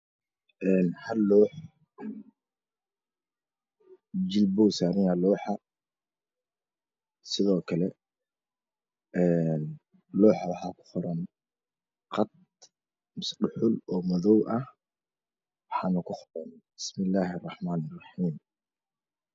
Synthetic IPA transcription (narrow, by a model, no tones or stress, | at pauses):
ʔɛːnhɐlːɔːħ | d͡ʒɪlbɔwsaːɾɪjalɔːħɑ | sɪðɔːkʰɐlɛ | ʔɛːn | lɔːħɑwɑħɑːkʰʊ̥χʊɾɐn | qɑd̪̚ | mʊsɖʊħʊlɔːmɔðɔwʔɐh | wɑħɑːnɐkʰʊχʊɾɐnbɪsmɪlːaːɦrːɑħmaːnɪrˤːɑħiːm